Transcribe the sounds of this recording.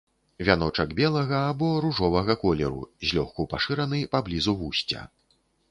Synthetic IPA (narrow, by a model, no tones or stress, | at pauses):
vʲan̪ɔt͡ʂɐɡbʲɛlˠɐɣɐːbɔɾuʐɔvɐɣɐkɔlʲɛ̰ɾṵzʲlʲɔxkupaʂɨɾɐnɨpablʲizuvusʲt͡sʲɐ̰